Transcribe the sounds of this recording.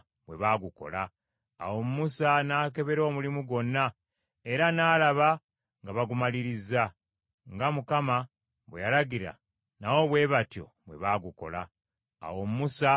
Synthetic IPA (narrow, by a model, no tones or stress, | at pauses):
bwe̞βaɡuko̞̰la̰ː | wo̞mumusanaːk̬e̞βe̞ɾo̞ːmulimuɡo̞nːa | e̞ɾanaːlaβa | ŋɡaβaɡumaliɾiza | ŋɡamukama | βwḛjalaɡiɾa̰ | nawo̞βwe̞ːβatjo̞̰ | βwḛβaːɡuko̞̰la̰ː | wo̞mumusa